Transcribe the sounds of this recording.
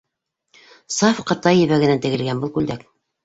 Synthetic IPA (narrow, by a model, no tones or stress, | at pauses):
sɑfqɤ̆t̪ɑjːɘ̆βæɡɘ̆nænt̪ɘ̆ɡɘ̆lɡænbɤlˠkʉld̪æk